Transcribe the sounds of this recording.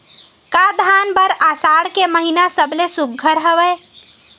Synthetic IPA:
kad̪ʱanbəɾasaɽkeməɦinasəblesuɡʱəɾɦəʋɛj

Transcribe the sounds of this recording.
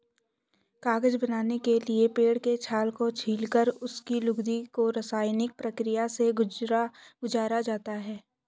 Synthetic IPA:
kaːɡəd͡ʒbɐnaːnekeliepeːɽket͡ʃʰaːlkot͡ʃʰiːlkəɾʊskilʊɡd̪ikoɾɐsaːjnɪk̚pɾɐkɾɪjaseɡʊd͡ʒɾaɡʊd͡ʒaːɾad͡ʒaːt̪aɦɛː

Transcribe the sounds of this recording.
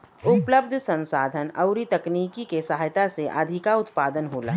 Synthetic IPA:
ʊpləb̚d̪ʱsə̃nsaːd̪ʱənɐ̰ʊɾit̪ɐkniːkikesaɦajt̪aseʔɐ̰d̪ʱɪkaʊt̪paːd̪ənɦoːla̰ː

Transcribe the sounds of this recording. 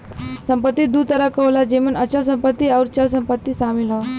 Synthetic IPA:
səmpət̪ːiːd̪uːt̪əɾakəwlad͡ʑemənəɕas̬əmpət̪ːiːauɾt͡ɕas̬əmpət̪ːiːsamilə

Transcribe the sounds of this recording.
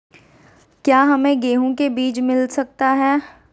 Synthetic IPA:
kjaːɦɐmẽɡeːɦõkebiːt͡ʃmɪlsɐk̚t̪aɦɛː

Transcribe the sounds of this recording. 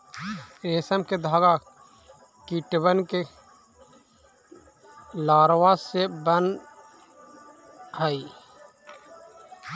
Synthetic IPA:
eːsəmked̪ʱaːɡa | kiʈwənke | laːɾwasebən | ɦəi

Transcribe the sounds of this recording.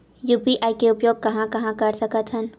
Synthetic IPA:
juːpiʔaːikeʊpjoːɡ̚kɐɦãkɐɦãkɐɾsɐkət̪ʰɦən

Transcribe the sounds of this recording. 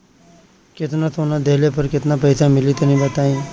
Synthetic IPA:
kɪt̪nãːt̪oːnaːd̪eːleːpəɾkɪt̪naːpəɪsaːmɪliːt̪enĩːbət̪aːĩː

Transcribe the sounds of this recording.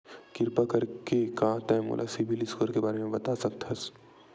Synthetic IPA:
kɪɾpakɐɾkekat̪ɛ̃mo̰ːlʔa̰sibilɪskoːɾkebaːɾemẽbɐt̪asɐk̚t̪ɐs

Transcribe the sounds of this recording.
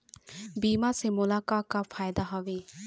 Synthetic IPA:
biːmasemʊlakaːkafʰaːjd̪aɦɔʋe

